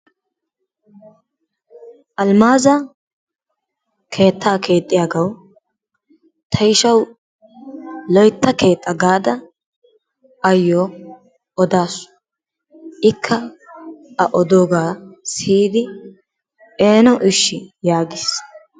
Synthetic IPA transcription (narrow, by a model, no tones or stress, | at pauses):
ʔɐlmaːzɐ | kʰe̞ːt̪ʰːaːkʰe̞ːt̪ʼːɪjaɡɐw | t̪ʰɐjʃɐw | lɔjt̪ːɐke̞ːt̪ʼːɐɡaːd̪ɐ | ɐjːoː | ʔɔd̪aːsʊ̥ | ʔɪkʰːɐ | ɐʔɔd̪oːɡaːsiːd̪ɪ | ʔeːnɔʔɪʃːɪjaːɡɪːs